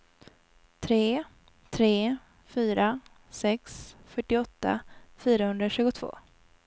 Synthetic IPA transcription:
t̪ʰɾeː | t̪ʰɾeː | fyːɾa | sɛksfœʈːɪɔt̪ːa̰fyːɾahɵnd̪ɾaɕʉ̟ːɡʊt̪ʰv̥o̰ː

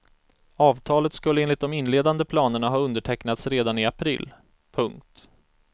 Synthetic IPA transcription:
ɑːvt̪ʰɑːlət̪skɵlːəeːnlɪt̪̚d̪ɔmɪnːleːd̪and̪əpʰlɑːnəɳaɦɑːɵnd̪əʈʰɛknat̪sɾeːd̪anɪapʰɾɪ̰ːlː | pʰɵŋk̚t̪

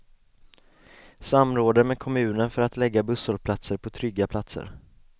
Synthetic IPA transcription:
samːɾoːd̪əmɛːkʰɔmʉ̟ːnənfœɾat̪lɛɡːabɵsɔlpʰlat̪səɾpʰɔt̪ʰɾʏɡːapʰlat̪sə̰ɾ

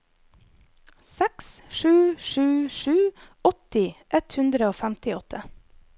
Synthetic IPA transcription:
sɛksʃʉːʃʉːʃʉː | ɔt̪ɪʔɛt̪hʉnd̪ɾəoːfæmt̪ɪɔt̪ʰə

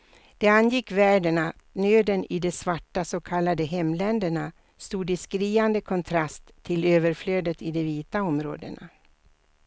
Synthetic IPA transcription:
d̪̥ɛanjɪkːvæːɖəɳatnøːd̪ənɪd̪ɛsvaʈːasoːkʰalːad̪əɦɛmːlɛnd̪əɳa | st̪uːd̪ɪskɾiːand̪əkʰɔnt̪ʰɾast̪ʰːɪløːvəɾfløːd̪ət̪ɪd̪ɛviːt̪aɔmɾo̰ːd̪ə̰na̰

